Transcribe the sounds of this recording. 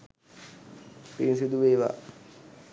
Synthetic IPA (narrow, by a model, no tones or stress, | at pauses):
pinsid̪uʋeːʋa̰